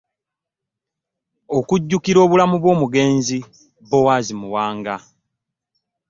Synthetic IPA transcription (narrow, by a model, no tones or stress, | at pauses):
o̞kuɟːukiɾo̞ːβulamuβwo̞ːmuɡe̞ːnzi | bowazimuwaːŋɡa